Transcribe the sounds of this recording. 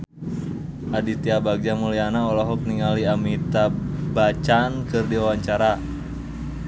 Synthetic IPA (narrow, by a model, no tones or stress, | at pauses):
ʔadit̪iabaɡ̚d͡ʒamulianaɔlɔɦɔk̚niŋaliamit̪abat͡ʃankɨrdiwawaɲt͡ʃaɾa